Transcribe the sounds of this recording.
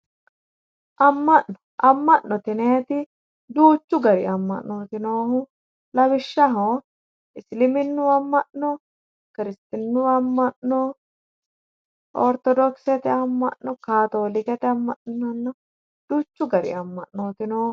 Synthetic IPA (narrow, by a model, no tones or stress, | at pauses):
ʔɐmːɐʔnɔ̥ | ʔɐmːɐʔːɔt̪ɪneːt̪ɪ | d̪uːt͡ʃːʊɡɐɾɪ̰ɐmːɐ̰ʔːoːt̪ɪnoːhʊ | lɐbɪʃːɐɦo | ɪslɪmɪnːʊɐmːɐʔnɔ | kɪɾɪst̪ɪnːʊɐmːɐʔnɔ | ʔɔɾt̪ɔd̪ɔksɛt̪ɛɐmːɐ̰ʔnːɔkaːt̪oːlɪkɛt̪ɛɐmːɐʔnɔnːɐ | d̪̥uːt͡ʃːʊɡɐɾɪ̰ɐmːɐʔnoːt̪ɪnoː